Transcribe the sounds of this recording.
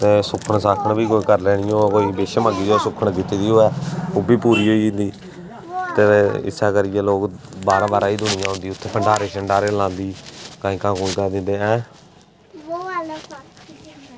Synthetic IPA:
t̪eːsʊkʰəɳsaːkʰəɳbʱiːk̬oːiːkəɾlɛːɽɪ̃ːoːɛːkoːiːbeːʃməɡiːoːsʊkʰːəɳkɪt̪ːiːd̪iːɦoːɛːoːbiːpuːɾiːɦoːiːnd̪iː | t̪eːɪ̰saːkəɾɪjɛːloːkbaːɾãːbaːɾãːiːd̪ʊnɪjãːɦõnd̪iːʊt̪ʰːeːpʰəɳɖaːɾeːsəɳɖaːɾeːlãːnd̪iːkaːĩːkãːkoːĩːkəɾd̪ɪ̃nd̪eːɛ̃ː | oːal

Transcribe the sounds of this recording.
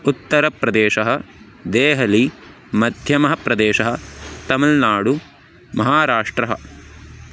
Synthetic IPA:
ut̪ːɐɾɐpɾɐd̪eːʃɐɦɐ̆ | d̪eːɦɐli | mɐd̪ʱjɐmɐɦɐpɾɐd̪eːʃɐɦɐ̆t̪ɐmɐlnaːɽu | mɐɦaːɾaːʂʈɾɐɦɐ̰

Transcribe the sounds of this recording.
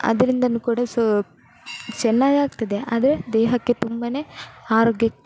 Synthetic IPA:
ɐ̰d̪ɐɾind̪ɐnːukuːɽɐs | t͡ʃɛnːaːɡaːɡt̪ɐd̪eʔa̰ːd̪ɐɾed̪ɛːɦɐkːet̪umbɐne̞ːaːɾoːɡjɐ

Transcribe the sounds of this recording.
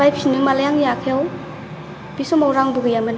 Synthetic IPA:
ajp̚siniŋmalajaŋjakʰejaw | b̥isɔmawɾaŋbuɡɯjamɯn

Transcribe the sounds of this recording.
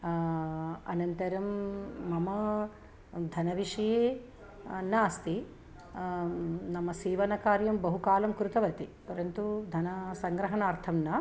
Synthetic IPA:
ɐ̰nɐnt̪ɐɾɐmːɐmɐ | d̪ʱɐnɐʋiʂɐjeː | naːst̪i | nɐmɐsiːʋɐnɐkaːɾjɐmbɐɦukaːlɐmkɾut̪ɐʋɐt̪ipɐɾɐnt̪ud̪ʱɐnɐsɐŋɡɾɐɦɐɳaːɾt̪ʰɐmnɐ

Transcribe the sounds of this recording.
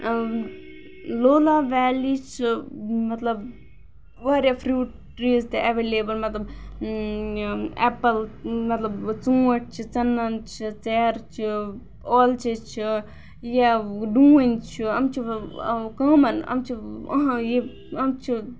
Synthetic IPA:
loːlaːʋɛːlit͡ʃʰimɐt̪lɐb | ʋaːɾjapʰɾjuːʈ | ɾiːzt̪eʔɛʋeːleːbəlmɐt̪lɐb | ɛːpɐlmɐt̪lɐbt͡sũːɐʈ̚t͡ʃʰit͡sɐnːɐnt͡ʃʰit͡sɛːɾt͡ʃʰi | oːlt͡ʃʰit͡ʃʰi | jaɖũːinʲt͡ʃʰiɐmt͡ʃʰikɐːmɐnɐ̰mt͡ʃʰiɦãje | ɐmt͡ʃʰi

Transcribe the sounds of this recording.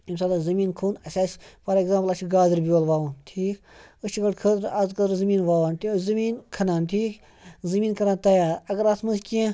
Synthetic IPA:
imsaːlazɐmiːnkʰuːnɐsʲaːt͡ʃpɐɾeɡzaːmpɐlɐt͡ʃʰiɡaːziɾbʲiwɐlʋaːʋantʰiːk | ɨt͡ʃʰiɡɐɽkʰəːt̪ɾazkɐɾɨzɐmiːnʋaːʋaːnt̪izɐmiːnkʰɐnaːntʰiːk | zɐmiːnkʰɐɾaːnt̪ɐjaːɐɡɐɾat̪ʰmɐnskʲẽ

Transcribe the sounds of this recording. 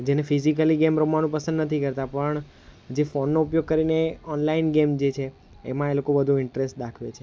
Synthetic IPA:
d͡ʒenefizik̬əliɡemɾomanũpəsə̃nd̪nət̪ʰikəɾt̪apəɳ | d͡ʒefonːoupjoɡ̚kəɾineɔnlainɡemd͡ʒet͡ʃʰḛː | mãelokobəd̪ʱuɪɳʈɾesʈ̚d̪akʰʋet͡ʃʰe

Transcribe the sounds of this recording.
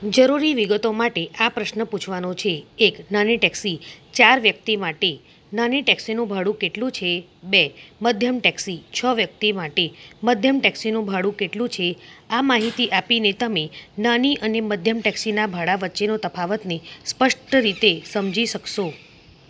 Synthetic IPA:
d͡ʒəɾuɾiʋiɡət̪omaʈeʔapɾəʃnəput͡ʃʰʋanõt͡ʃʰeːknaniʈɛksit͡ʃaɾʋjək̚t̪imaʈe | naniʈɛksinũbʱaɽũkeʈlũt͡ʃʰe | beməd̪ʱjəmʈɛksit͡ʃʰəʋjək̚t̪imaʈeməd̪ʱjəmʈɛksinũbʱaɽũkeʈlũt͡ʃʰeamaɦit̪iʔapinet̪əmenaniʔəneməd̪ʱjəmʈɛksinabʱaɽaʋətːʃenot̪əpʰaʋət̪nespəʂʈəɾit̪esəmd͡ʒiʃəkʃo

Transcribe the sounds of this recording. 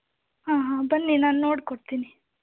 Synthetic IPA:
ɦaːɦãːbɐnːinaːnnːoːɽkoɽt̪iːni

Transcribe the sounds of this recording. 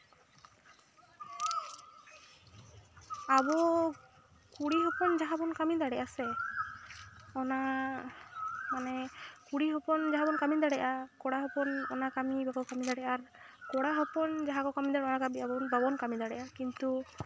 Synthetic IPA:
abɔ | kuɽiɦɔpɔnd͡ʒaɦabɔnkamid̪aɽɛʔasɛ | ɔna | manɛkuɽiɦɔpɔnd͡ʒaɦabɔnkamid̪aɽɛʔakɔɽaɦɔpɔnɔnakamibakɔkamid̪aɽɛʔaɾkɔɽaɦɔpɔnd͡ʒaɦakɔkamid̪aɽɛɔnakabiabɔnbabɔnkamid̪aɽɛʔakint̪u

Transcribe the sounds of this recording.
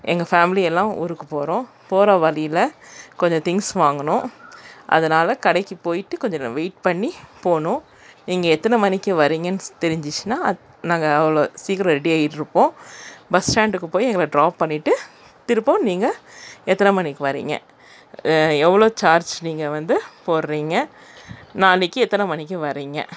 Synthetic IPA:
ʔɛ̰ŋɡɐfaːmɪliɛlːãːʔʊ̰ɾɯkːɯpoːɾõː | poːɾɐʋɐlɪjɪlɐkɔɲd͡ʒɔ̃t̪ɪŋɡsʋaːŋɡɐnʊ̃ʔɐ̰ðɐnaːlɐkɐɽɐɪkːipoːjɪʈːɯkɔɲd͡ʒɔʋeɪʈ̚pɐɳːipoːnʊ̃ | niːŋɡɐɛt̪ːɐnɐmɐnɪkːɯʋɐɾiːŋɡɐnːɯt̪ɛɾɪɲd͡ʒɪt͡ʃːɯnːaː | nãːŋɡɐːʋɐɭoːsiːkːɐɾɐ̃ɾɛɽiɐjɪʈːɯɾɯpːõːbɐsʈaːɳɖɯkːɯpoːjɛŋɡɐɭɐɖɾaːpːɐɳːɪʈːɯ | t̪ɪɾɯpːõːniːŋɡɐɛt̪ːɐnɐmɐnɪkːɯʋɐɾḭːŋɡɐ̰ | ɛʋːɐɭoːt͡ʃaːɾd͡ʒniːŋɡɐʋɐnd̪ɯpoːɾɾiːŋɡɐ | naːlɪkːɯɛt̪ːɐnɐmɐnɪkʲːɯ̃ʋɐɾiːŋɡɐ̰

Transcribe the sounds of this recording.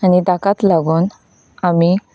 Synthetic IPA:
aɽid̪akat̪laɡoːn | ami

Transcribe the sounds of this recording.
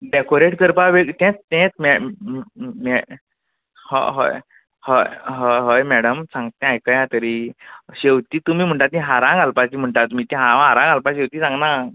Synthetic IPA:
ɖekoɾeʈkəɾpaʋeɡt̪ɛ̃t͡st̪ɛ̃t͡smɛ | mɛ | hɔ̰ɦo̰j | hojɦoɦəjmɛɽəmsãŋɡt̪ẽajkəjãt̪əɾiɕewt̪iːt̪um̤iːm̤əɳʈat̪ĩɦaɾãŋɡʱalpat͡ɕim̤əɳʈat̪um̤iːt̪ĩɦaãaɾãŋɡʱalpaɕewt̪iːsãŋɡna

